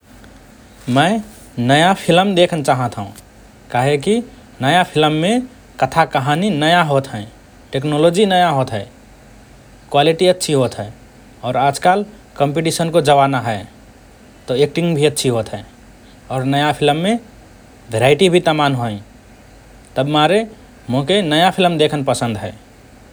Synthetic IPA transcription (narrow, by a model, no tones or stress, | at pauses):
mə̃ | nəjapʰɪləmd̪eːkʰnt͡ʃaːɦə̃t̪ʰũ | kaːɦeki | nəjapʰɪləmːẽ | kət̪ʰakəɦaninəjaɦoːt̪ɦɛ̃ː | ʈeːknoːloːd͡ʒinəjaɦoːt̪ɦɛː | kwaːliʈiətːʃʰiɦoːt̪ɦɛ | ɔːɾaːd͡ʒkaːl | kə̃mpiʈisənkod͡ʒəʋaːnaɦɛ | t̪oeːk̚ʈɪ̃ŋɡbʱiətːʃʰiɦoːt̪ɦɛ | ɔːɾnəjapʰɪlmːẽ | bʱeɾaːɪʈibʱit̪amaːnɦoĩ | t̪əbmaːɾe | mõkenəjapʰɪlmd̪eːkʰənpəsə̃nd̪ɦɛ̰ː